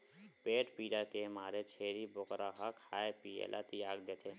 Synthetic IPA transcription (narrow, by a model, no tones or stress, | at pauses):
peːʈpiːɽakemaːɾet͡ʃʰeːɾibʊkɾaɦakʰaːepiːḛːlʔa̰t̪ɪjaːɡd̪eːt̪ʰe